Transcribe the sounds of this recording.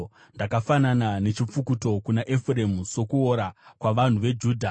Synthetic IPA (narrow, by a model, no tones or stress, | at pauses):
ndakafananane̞t͡ʃip͡fukuto̞kunaʔefure̞muso̞kuoɾakwaʋan̤uʋe̞d͡ʒuːdʱa